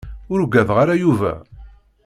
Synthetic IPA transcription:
ʊɾɡæðʁaɾajuvæ̰

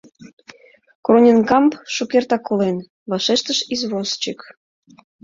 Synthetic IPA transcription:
kronʲenkɑmpʃukert̪ɑkːolen | βɑʃeʃt̪əʃizβost͡ɕək

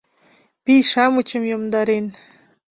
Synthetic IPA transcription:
pijʃɑmut͡ɕəmjomd̪ɑɾen

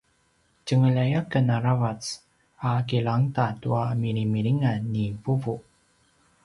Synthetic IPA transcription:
cəŋəlajakənaɾavat͡s | akiɭaŋtatuamiɾimiɾiŋanːivuvu

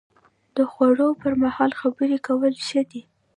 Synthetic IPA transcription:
d̪̥əxwaɽopəɾmahɑlxabəɾikawəlʃəd̪i

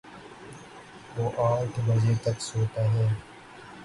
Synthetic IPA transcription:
ʋoːʔaːʈbəziːɾt̪əksoːt̪aːɦɛ̃ː

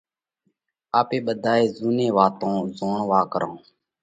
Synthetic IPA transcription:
aːpeːɓəd̪ʱaːeːzuːnẽːʋaːt̪õːzoːɳʋaːkəɾã̰ː

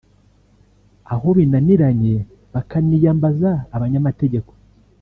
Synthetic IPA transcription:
aɦo̞βinaniɾaɲe | βakanijaːmbazaːβaɲamate̞ɟe̞ko̞̥

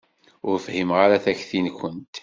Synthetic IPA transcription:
ʊɾfhimʁaɾæθæçθinkʷənt̪

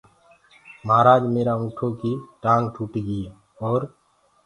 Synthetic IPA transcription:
maːɾaːd͡ʒmeːɾaũːʈʰõkiʈãːŋɡʈʰuːʈiɡi | ɔːɾ

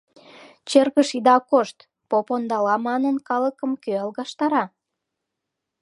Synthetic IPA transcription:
t͡ɕerɣəʃid̪ɑkoʃt̪ | popond̪ɑlɑmɑnənkɑləkəmkøɑlɣɑʃt̪ɑɾɑ

